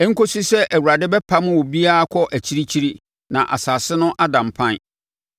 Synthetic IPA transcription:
ɛ̃˦ŋ̩˦ko˦si˦sɛ˦ʔæ˨wu˨ɾa˨dɪ˦bɛ˦pʰa˦mʊ̃˦wɔ˨bi˦a˦kʷʰɔ˦ʔæ˨t͡ɕʰi˦ɾi˦t͡ɕʰi˦ɾi˦ | nã̰˨ʔa̰˨sa˨sɪ˦nʊ̃˦ʔa˦dã˨m˨pʰã˦n˦˨

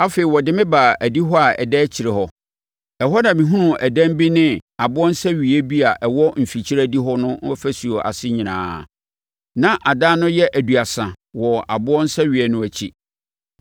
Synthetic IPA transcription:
a˦feː˨i˨wɔ˨dɪ˦mɪ̃˦ba˨æ˨di˦ɦɔ˦a˨ɛ̰˨dɛː˦t͡ɕʰi˨ɾɪ˨hɔ˦ | ɛ˨ɦɔ˦nã˨mĩ˨ɦũ˦nũ˨ʔæ˨dæ̃˦m˦bi˦nɪ̃˦a˨bʊ˦ɔ˦n̩˦sɛ˦ɥi˨e˦bi˦a˨ʔɛ˨wɔ˦m̩˨fi˨t͡ɕʰi˦ɾæ˦di˦ɦɔ˦nʊ̃˦fæ˦su˨o˨ʔa̰˨sɪ˦ɲĩ˨nã̰ː˨ | nã˦ʔa˨daː˦nʊ̃˦jɛ˦ʔæ˨du˨a˨sã˨ | wɔ˨a˨bʊ˦ɔ̃˦n̩˦sɛ˦ɥi˨ɛ˦nʊ̃˦æ˨t͡ɕʰi˦

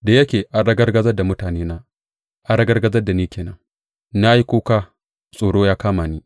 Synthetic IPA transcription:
da˨jɐ˦kʲeː˨ʔa˨ɽɐ˦ɡɐ˦rɡɐ˦zɐ˦rda˨mʊ˦taː˨neː˦naː˦ | ʔa˨ɽɐ˦ɡɐ˦rɡɐ˦zɐ˦rda˨niː˦kʲeː˨nɐ̰˦ŋ | na˦ji˦koː˦kaː˦ | sʼoː˨ɽoː˦jaː˦kaː˦maː˨niː˦

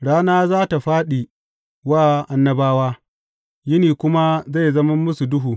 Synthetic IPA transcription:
ɽaː˦naː˦zaː˦ta˨ɸaː˦ɗi˨ | waː˦˨ʔa˨nːɐ˦baː˦waː˦ | jɪ˦niː˨kʷʊ˦ma˦za˦˨zɐ˦mɐ˦mːʊ˦su˨dʊ˦ɦuː˨

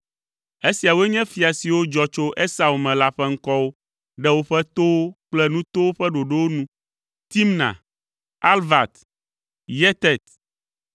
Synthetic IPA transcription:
e˦si˨a˨wo˦e˦ɲɛ̃˦fi˨a˨si˨wo˦d͡ʒɔ˦t͡ʃo˦ʔe˦sa˨u˨mɛ̃˨la˦ɸɛ˦ŋ̩˦kɔ˦wo˦ | ɖɛ˦wo˦ɸɛ˦t̪o˦wo˦k͡plɛ˦nũ˦t̪o˦wo˦ɸɛ˦ɖo˨ɖɛ˦wo˦nũ˦ | t̪i˦mnã̰˨ | a˦lva˨t̪ | jɛ˦t̪ɛ˦˨t̪

